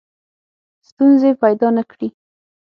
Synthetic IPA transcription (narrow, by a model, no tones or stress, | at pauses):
st̪unzepajd̪ɑnakɽi